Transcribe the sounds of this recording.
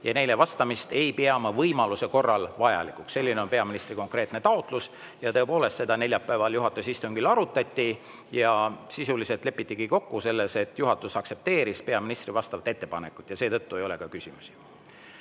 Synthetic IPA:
jɑne̞jle̞vɑst̪ɑmist̪e̞jpeɑmɑvɤjmɑluse̞ko̞rːɑlvɑjɑ̰likˑuksse̞lʲːineo̞npe̞ɑminist̪riko̞ŋkre̞ːt̪ne̞t̪ɑot̪ˑlus | jɑt̪ɤepo̞ːle̞st̪se̞d̪ɑne̞lʲjɑpːˑæevɑljuɦɑt̪ːˑusist̪uŋɡ̥ilɑɾut̪ːˑɑt̪ʲːi | jɑsisulise̞lt̪ˑle̞pːˑit̪ʲˑːiɡ̥iko̞kːuse̞lːe̞se̞t̪ːˑjuɦɑt̪ːˑusɑkse̞p̚t̪e̞ːɾispeɑminist̪rivɑst̪ɑvɑt̪ːe̞t̪ːe̞pɑnekːˑu̥t̪ːˑjɑse̞ːt̪ɤt̪ːue̞jo̞le̞kɑkysʲimusi̥

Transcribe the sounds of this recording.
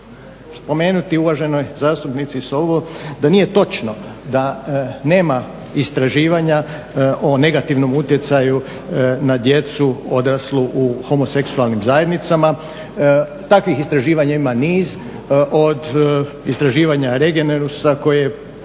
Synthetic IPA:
spo̞meːnut̪iuʋaʒe̞no̞jzaːst̪upnit̪sisoʋod̪anije̞t̪o̞t͡ʃnod̪ane̞ːma | ist̪ɾaʒiːʋaɲa | ʔone̞ɡat̪iʋno̞mut̪je̞t̪saju | nad̪je̞t̪suo̞d̪ɾasluʔuxo̞mo̞se̞ksualˠnimzaje̞d̪nit̪sama | t̪akʋixist̪ɾaʒiːʋaɲaimaniːz | ʔod̪ | ist̪ɾaʒiːʋaɲaɾeɡeneɾusako̞jije

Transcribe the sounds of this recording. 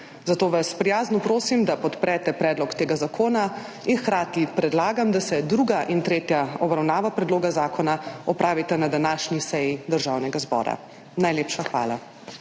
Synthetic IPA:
zat̪oːʋaspɾijaːznupɾoːsimd̪apɔt̪pɾɛt̪ɛpɾɛːd̪lɔkt̪eːɡazakʰoːna | inxkɾaːt̪ipɾɛd̪laːɡamd̪asɛd̪ɾuɡaʔint̪ɾeːt̪jaɔbɾawnaːʋapɾɛd̪loːɡazaːkʰɔnaɔpɾaːʋit̪ɛnad̪anaːʃnisɛjid̪əɾʒawnɛɡazbɔ̰ːɾa̰ | najleːpʃaxʋa̰ːla

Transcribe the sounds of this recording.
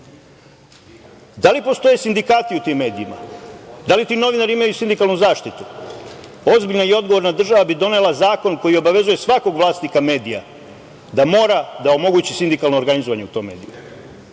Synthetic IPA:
d̪alipo̞st̪o̞jesind̪ikaːt̪iut̪imːe̞ːd̪iima̰d̪alit̪ino̞ʋinaɾiimajusind̪ikalnuzaːʃt̪it̪u | o̞zbiʎnaio̞d̪ɡo̞ʋo̞ɾnad̪r̩ʒaʋabid̪o̞ne̞lˠazaːko̞nko̞jio̞baʋe̞zuje̞sʋako̞ɡʋlˠaːst̪nikame̞ːd̪ija̰ | d̪amo̞ːɾad̪ao̞mo̞ɡuːt͡ɕisind̪ikalˠno̞ːɾɡanizoʋaɲe̞ut̪o̞ːmːe̞̰ːd̪iju

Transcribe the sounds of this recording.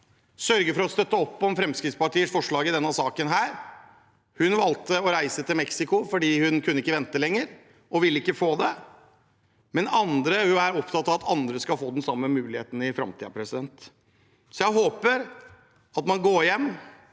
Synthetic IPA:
sœɾɡəfɔɾɔst̪œt̪ːəɔpːɔmfɾɛmskɾɪt̪spɑʈiːəʂfɔʂɭɑːɡɪd̪ɛnːɑsɑːkənɦæːɾ | hʉnʋɑlt̪əɔɾæɪsət̪ʰɪlmɛksɪkʊfɔɖiːhʉnkʰʉnːəɪkːəʋɛnt̪əlɛŋːəɾ | ʔɔʋɪlːəɪkːəfoːd̪ɛ | mɛnɑnd̪ɾəhæɾɔpt̪ʰɑt̪ːɑʋɑt̪ʰɑnd̪ɾəskɑlfoːd̪ɛnsɑmːəmʉːlɪhḛːt̪n̩ɪfɾɑ̰mt̪iːɑpʰɾɛsɪd̪ɛnt̪ | sɔjæɪɦoːpəɾ | ɑt̪mɑnɡoːɾjɛmː

